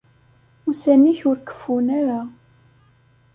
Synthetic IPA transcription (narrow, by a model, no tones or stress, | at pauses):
usænːiçʊɾkə̥fːunaɾa